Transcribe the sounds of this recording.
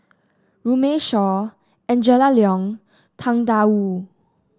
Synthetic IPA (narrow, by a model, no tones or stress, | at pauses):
ɹumeʃɔ | ɛ̃nd͡ʒɛlaliɔ̃ŋ | t̪ʰãŋdau